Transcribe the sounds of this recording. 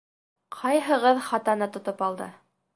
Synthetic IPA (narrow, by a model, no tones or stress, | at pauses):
qʰɑjɦɤ̆ʁɤðχɑt̪ɑnɤt̪ŏt̪opɑlˠd̪ɤ̰